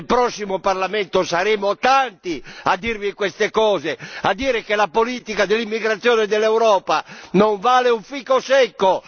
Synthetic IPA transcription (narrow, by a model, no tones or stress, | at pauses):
lpɾɔsːimoparlamɛnt̪osaɾeːmot̪ant̪iad̪ːiɾvikwɛst̪ekɔːzead̪ːiːɾɛkelapoliːt̪ikad̪elːimːiɡɾat̪sːjɔːnɛd̪ɛlːɛwɾɔːpanoɱvaːleuɱfikosɛkːo